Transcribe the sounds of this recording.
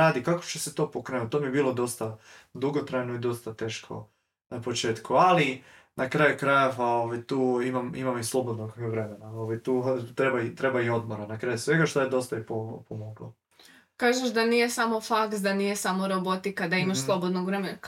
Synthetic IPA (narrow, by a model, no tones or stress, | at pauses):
aːd̪ikako̥t͡ɕeset̪o̞ːpokɾenut̪̚t̪omiebiːlo̞d̪o̞st̪ad̪uɡot̪ɾajnoid̪o̞st̪at̪e̞ːʃkʰo̰ | apo̞t͡ʃe̞ːt̪kuali | nakɾaːjukɾajeʋao̞ʋajt̪uːimamimamislˠo̞bo̞d̪noɡʋɾe̞menaoʋajt̪uːt̪ɾebait̪ɾe̞baio̞d̪moɾanakɾaːjusʋe̞ɡaʃt̪ojed̪o̞st̪aipopomoɡlo | kaːʒeʃd̪anijesamofaksd̪anijesamoɾobot̪ikad̪aimaʃslˠobod̪noɡʋɾemenk